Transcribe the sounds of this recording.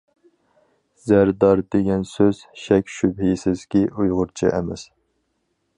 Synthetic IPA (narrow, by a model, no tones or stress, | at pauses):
z̥æɾd̪ɑɾd̪eɡʲɛnsøz̥ʃɛkʲʃybhisɪzkʲiʔujʁʊɾt͡ʃʰiʔɛ̰mɛs